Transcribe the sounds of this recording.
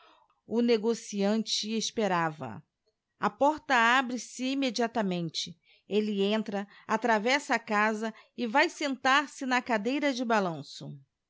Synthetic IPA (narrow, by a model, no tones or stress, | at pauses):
ʊneɡosiɐ̃nt͡ʃɪespeɾavɐ̰ | ɐpɔɾt̪ɐabɾɪsɪimed͡ʒiat̪ɐmẽnt͡ʃɪ | elɪẽnt̪ɾɐ | at̪ɾavɛsɐakazɐɪvajsẽnt̪aɾsɪnɐkad̪ejɾɐd͡ʒɪbalɐ̃sʊ